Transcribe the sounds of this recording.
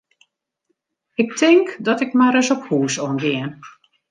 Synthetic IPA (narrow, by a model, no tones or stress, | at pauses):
ɪk̚tʰɪŋkdɔtɪkmaɾəsɔphuːsɔnɡɪən